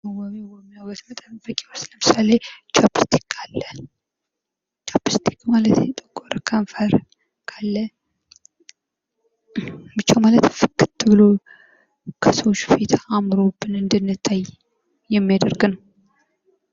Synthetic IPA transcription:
wɔmewɔmːijawɔt̪mət̪ʼənbəkʼewɔsləmɨsalet͡ʃʰʼapːɨst̪ʰi̥kʼʰːalːə | t͡ʃʰʼapːɨst̪ʰi̥kʼmalət̪ɛt̪ʼəkʼːoɾəkʰəɱfəɾ | kʰalːə | bɨt͡ʃːawmalət̪fɨkʰːɨt̪ʰːɨβɨlo | kʰəsəwot͡ʃːfet̪ʰaːmɾo̞bːɨnɨnd̪ɨnːɨt̪ʰːaj | jɛmːijad̪əɾɡnəw

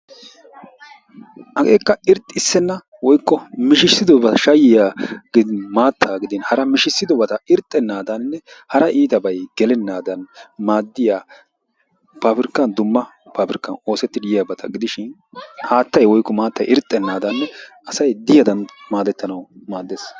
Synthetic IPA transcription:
ʔɐɡeːkːɐɪɾt̪ʼːɪsːɛnːɐ | wɔjkːɔmɪʃɪsːɪd̪ɔbɐʃɐjɪjaːɡɪd̪ɪmaːt̪ʰːaːɡɪd̪ɪnhɐɾɐmɪʃɪsːɪd̪ɔbɐt̪ɐɪɾt̪ʼːɛnːaːd̪ɐnnːɛhɐɾɐʔiːt̪ɐbɐjɡ̥ɛlɛnːaːd̪ɐnmaːd̪ːɪjaː | paːpɪɾɪkːɐnd̪ʊmːɐ | paːpɪɾɪkːɐno̞ːsɛt̪ːɪd̪ɪjɪjɐbɐt̪ʰɐ̰ɡɪd̪ɪʃɪn | haːt̪ːɐjwɔjkːɔmaːt̪ːɐ̰jʔɪɾt̪ʼːɛnːaːd̪ɐnːɛʔɐsɐjd̪ɪjɐd̪ɐnmaːd̪ɛt̪ːɐnɐwmaːd̪ːeːs

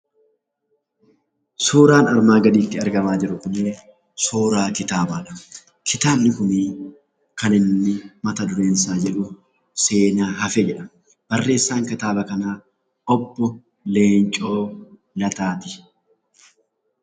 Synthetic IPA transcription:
suːɾaːnɐɾmaːɡɐd̪iːt̪ːɪɐɾɡɐmaːd͡ʒɪɾʊkʊnːe | suːɾaːkɪt̪aːbɐːᶑɐ̥ | kʰɪt̪aːbnɪkʊmiː | kɐnɪnːɪmɐt̪ɐd̪ʊɾeːnsaːd͡ʒɛᶑʊ | se̞ːnaːɦɐfɛd͡ʒɛᶑɐ̥ | b̥ɐrːe̞ːsːaːŋkɪt̪aːbɐkɐnaː | ʔɔbːɔ | leːnt͡ʃʼo̞ː | lɐt̪aːt̪ɪ̥

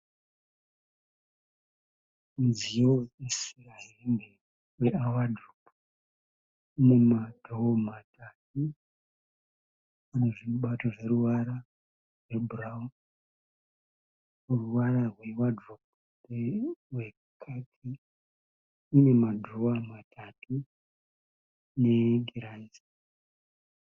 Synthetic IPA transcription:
nzijoesiraɦende | weawadʱopu | ne̞madʱoomatʰat̚u | aneʐimuɓato̞ʐe̞ɾuʋaɾa | rwebʱuraum | uruʋaɾarwewadup̚urewe | kʰatʰi | ne̞madʱoamatʰatu | ne̞ɡʱiɾazi

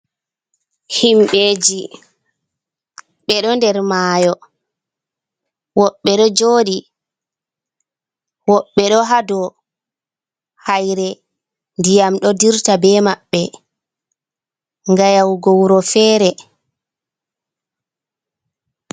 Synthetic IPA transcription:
himɓeːd͡ʒi | ɓɛɗɔndɛɾmaːjɔ | wɔɓːɛɗɔd͡ʒoːɗi | wɔɓːɛɗɔɦadɔ | hajɾɛ | ndijamɗɔdiɾtabɛmaɓːɛ | ŋɡajawɡowɾɔfɛːɾɛ

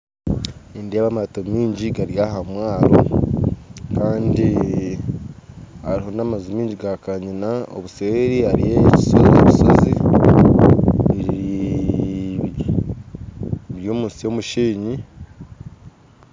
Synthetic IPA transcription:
indeaβamatomiːɲɟiɡaɾijahamwaːɾo | kaːndi | aɾiɦo̞namazumiːɲɟiɡakaɲinao̰βuseːɾiaɾijeci̥sozieβiso̞zi | βii | βjo̞ːmuːnsijo̞muʃiːɲi

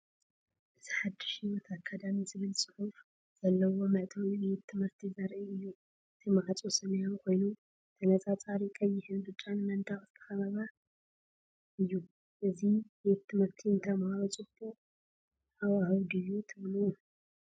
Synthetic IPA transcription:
ʔɨz̥iħad̪ːɨ̥ʃiwɔt̪ʰakʰːad̪amizɨβɨlsʼɨħuf | z̥ɐlːɐwo̞mɐʔt̪ʰonbet̪ʰːɨmhɨɾt̪ʰizɐɾʔiɨjːu | t̪ʰɨmʕat͡sʼosɨnejonkʰo̞jnu | t̪ʰɐnɐt͡sʼat͡sʼaɾikʼɐjːɪhɨnbɨt͡ʃʼːanmɐnt̪ʰaχʼz̥ɨ̥t̪ʰɐ̥xɐβaβa | ʔɨjːu | ʔɨzibet̪ʰːɨmhɨɾt̪ʰint̪ʰɐmaβɐt͡sʼubu | awahɨwd̪ɨjːut̪ʰɨβluu

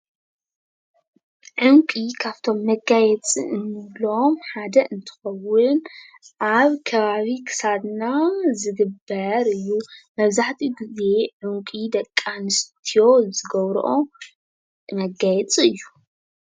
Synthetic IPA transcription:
ʕʊŋkʼikʰaβt̪ʰo̞mːɐɡajɛt͡sʼḭʔɨnːɨβlomħad̪ɐʔɨnt̪ʰɨ̥xɐwːʊn | ʔaβkʰɐβaβikʰɨ̥sadnazɨɡɨbɐɾɨjːumɐβzaħt̪ʰiɡize̞ʕʊŋkʼid̪ɐkʼːanɨst̪ʰijo̞zɨɡɐβɾ̰ʔo̞ | mɐɡajɛt͡sʼiɨjːu

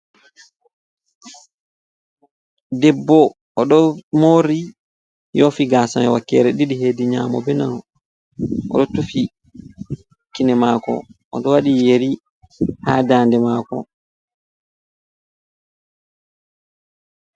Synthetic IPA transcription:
dɛbːɔ | ɔɗɔmoɾi | jɔfiɡasanɛwakːɛɾɛɗiɗiɦeːdiɲaːmɔ̰bɛnanɔ | ʔɔ̰ɗɔtufi | kinɛmaːkɔ̰ | ɔɗɔwaɗijeɾi | haːdaːndɛmakɔ̰

